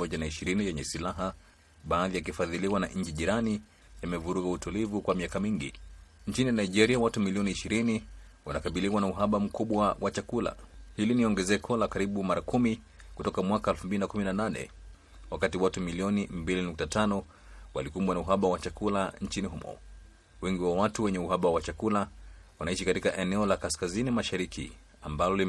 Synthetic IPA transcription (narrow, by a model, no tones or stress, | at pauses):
ɔʄanaiʃiɾinijɛɲɛsilaɦa | ɓaːðijak̬ifaðiliwana̰ʔɲ̩d͡ʒiʄiɾani | jamɛvuɾuɡautulivukwamiakamiŋɡḭɲt͡ʃininaiʄɛɾiawatumiliɔniːʃiɾini | wanakaɓiliwanauɦaɓam̩kuɓwawʔat͡ʃakula̰hiliniɔŋɡɛzɛkʰɔlakaɾiɓumaɾakumi | kutɔkamwakaɛlfumbilinakuminananɛ̰ | wakatiwatumiliɔnimbilinuk̚tatanɔ | wa̰likumbwanauɦaɓawat͡ʃakulant͡ʃiniɦumɔ̰ | wɛŋɡiwawatuwɛɲɛuɦaɓawat͡ʃakulawanaiʃikatikaʔɛnɛɔlakaskazinimaʃaɾikʰḭ | ambalɔli